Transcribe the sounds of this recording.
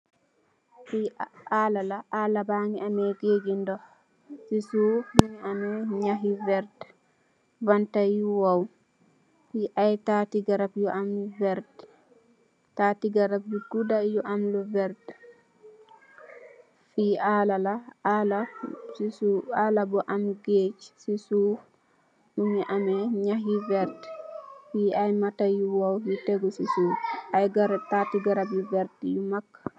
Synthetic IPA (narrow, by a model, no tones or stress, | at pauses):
fialalaʔalabaŋiʔamɛɡeɡindɔ | sisubiniamɛɲaɦivɛɾd | vantajuwaw | fiʔajtatiɡaɾabjɔʔamluvɛɾd | tatiɡaɾap̚bikːudajɔʔamluvɛɾd | fialalaalasisualabɔʔamɡeːt͡ʃsisuf | numiʔamɛɲaɦivɛɾtɛfiajmatajuwawhitɛɡɔsisufʔajɡaɾatatiɡaɾabjuvɛɾtɛjumakːḁ